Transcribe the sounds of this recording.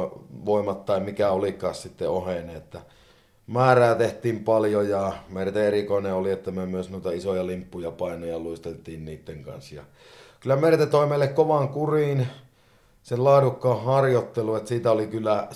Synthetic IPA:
ʋoˑimɑt̪t̪ɑimikæolikˑɑːssit̪ːeoheneet̪ːæ | mæːræːt̪eht̪ˑiːmpɑljojɑmert̪eerikoˑeneoliet̪ːæmyømyøsnuit̪ɑisojɑlimpːujɑpɑˑinojɑluist̪elt̪ˑiːnniːt̪ːeŋkɑ̰nsjɑ̰ | kylæmert̪et̪oˑimeˑlːekkoʋɑŋkurin | sellɑːdukːɑːhhɑrjot̪ːeluet̪siːt̪æolikylːˑæ

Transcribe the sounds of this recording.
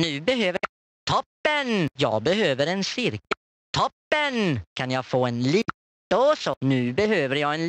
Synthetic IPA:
nʉ̟ːbɛɦøːvəj | t̪ʰɔpːənjɑːɡ̚bɛɦøːvəɾɛnsɪɾkə | t̪ʰɔpːənkʰanjɑɡfoːɛnliːt̪oːsɔnʉ̟ːbɛhøːvəɾjɑːɡɛnl

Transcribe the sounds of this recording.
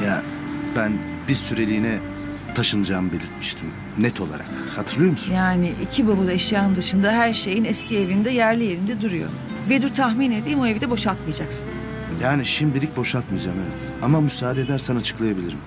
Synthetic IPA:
ja | bæn | bizsyɾe̞lʲiːnɛ | t̪ʰaʃɯnɯd͡ʒaːmɯbe̞lʲiɾt̪mi̥ʃt̪ʰim | nɛt̪ʰo̞lˠa̰ɾa̰k | hat̪ʰɯɾlˠɯjo̞musnjaːnɪʔicʰibabad̪ˠaɛʃjaːɯnd̪ɯʃɯnd̪aɦæɾʃe̞jinɛscʰievind̪ɛjæɾlʲije̞ɾind̪ɛd̪uɾujo̞̰ | ved̪yɾt̪ʰaxmined̪imoevid̪ɛbo̞ʃat̪mɯjad͡ʒaksɯ̥n | jaːniʃimd̪ilʲic̚bo̞ʃalt̪mijd͡ʒaːmevɛt̪ | amamysaːd̪ed̪æɾsɛnat͡ʃʰɯ̥klˠajabilʲiɾim

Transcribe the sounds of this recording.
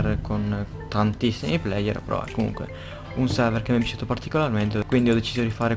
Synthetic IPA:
rkʰon | t̪ant̪isːimiplɛjḛɾpɾɔ̰ɛ̰komṵŋkwḛ | unsɛɾvɛrkemːɛbit͡ʃuːt̪opart̪ikolarment̪ekwind̪iɔd̪et͡ʃiːzod̪ifaːɾe

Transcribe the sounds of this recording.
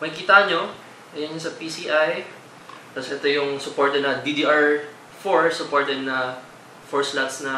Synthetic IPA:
mɐkkiːt̪aɐɲo | ʔɐjɐnɲosɐpisiʔaj | t̪asʔɛt̪o̞jʊŋsʊpoɹt̪ɛd̪nɐd̪id̪iʔɐɹ | foɹsʊpoɹt̪ɛd̪̚nɐ | foɹslat̪snɐ

